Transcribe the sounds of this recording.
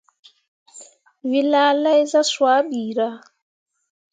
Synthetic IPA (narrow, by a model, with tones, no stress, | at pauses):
vi˨laː˦la˦i˦za˦swa˦biː˨ɾa˦